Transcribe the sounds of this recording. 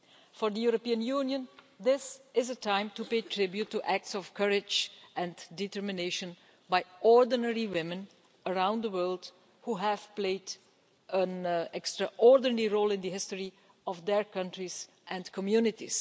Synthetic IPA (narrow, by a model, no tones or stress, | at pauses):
fɔɹd̪əjuɾopiə̃njunjə̃n | d̪ɪsɪzətãɪ̃mtupeɪtʰɹɪbjutːuʔæk̚tsɔvkʰʌɹɪd͡ʒʔɛ̃nditəɹmɪneɪʃə̃n | baɪɔɹdənɛɹiwɪ̃mɨ̃n | əɹãʊ̃nd̪əwɜ˞lˠd | huɦæv̥pleɪd | ʔə̃nɛkstɹəʔɔɹdnɛɹiɹoʊlˠɪ̃nd̪əɦɪstəɹi | ɔvðəɹkʌ̃ntɹiz̥ | ʔɛ̃nkʰɔmjunɪtḭz̥